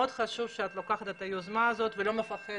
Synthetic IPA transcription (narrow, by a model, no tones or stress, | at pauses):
od̪χaʃuvʃeat̪lo̞kaχat̪et̪ajozmaːzo̞t̪velo̞mefaχe